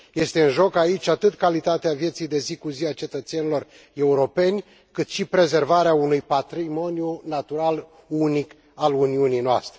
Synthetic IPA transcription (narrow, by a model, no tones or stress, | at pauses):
je̞st̪e̞ɨnʒo̞kait͡ʃʲat̪ɨt̪kalit̪at̪eavje̞t̪sijd̪e̞zikuziat͡ʃe̞t̪ət̪se̞nilo̞r | e̞uɾo̞pe̞nʲ | kɨt̪ʃipɾe̞ze̞rvaɾeaunujpat̪ɾimo̞njunat̪uɾal | unik | aluniunijnoa̰st̪ɾe